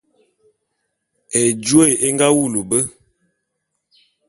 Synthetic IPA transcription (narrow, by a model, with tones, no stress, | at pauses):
e˨d͡ʒu˦e˦˨e˦ŋɡa˦wu˦˨lu˨bə˦